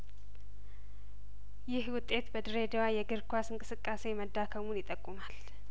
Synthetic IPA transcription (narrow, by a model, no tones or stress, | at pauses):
jɪhwʊt̪ʼːe̞t̪bəd̪ɨɾed̪ewajɛɡɨɾkʰʷasɨŋkʼɨsɨkʼːase̞məd̪ːakʰəmunjɪt̪ʼəkʼːumal